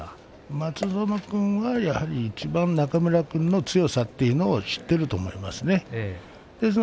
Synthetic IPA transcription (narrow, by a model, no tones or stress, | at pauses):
mat͡sɨso̞nokɯ̟̃ɰ̃βajahaɾʲiːt͡ɕibãnnakamɯ̟ɾakɯ̟̃nːo̞t͡sɨjo̞sat̪ːeiɯ̟no̞ːɕi̥t̪ːe̞ɾɯ̟t̪o̞ːmo̞ima̰sɨne̞ | d̪̥e̞s̬ɨn